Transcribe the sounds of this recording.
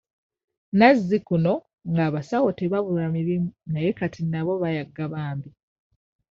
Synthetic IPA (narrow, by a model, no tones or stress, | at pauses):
nazːikuno | ŋɡaːβasawote̞βaβulamiɾimunajekatinaβo̞βajaɡːaβaːmbi